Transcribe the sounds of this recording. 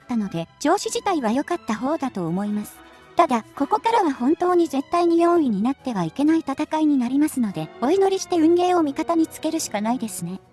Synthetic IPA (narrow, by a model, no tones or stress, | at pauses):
t̪ːano̞d̪e̞d͡ʑo̞ːɕiʑit̪aiβajo̞kat̪ːaɦo̞ːd̪at̪o̞ːmo̞imasɨ̥ | t̪ad̪ako̞ko̞kaɾaβahõ̞nt̪o̞ːɲ̟ize̞t̪ːaiɲ̟ijõ̞ːiɲ̟inat̪ːe̞βaike̞nait̪at̪akaiɲ̟inaɾʲimasɨno̞d̪e̞o̞ino̞ɾʲiɕi̥t̪e̞ɯ̟̃ŋɡe̞ːo̞mʲikat̪aɲ̟it͡sɨ̥ke̞ɾɯ̟ɕi̥kanaid̪e̞sɨne̞